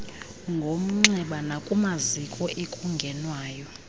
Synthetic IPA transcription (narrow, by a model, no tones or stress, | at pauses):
ŋɡʱom̩ŋ͡ǀɛɓanakʼumazikʼɔʔekʼuŋɡʱɛnwaːjɔ